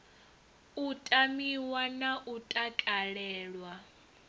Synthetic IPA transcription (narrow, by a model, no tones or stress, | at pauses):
utʼamiwanaʔutʼakʼaɺɛːɺwa